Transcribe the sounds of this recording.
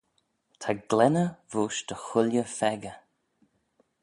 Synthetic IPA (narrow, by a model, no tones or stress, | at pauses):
t̪ʰaɡlɛnəvuːʃd̪̥əxʊljəfɛɡə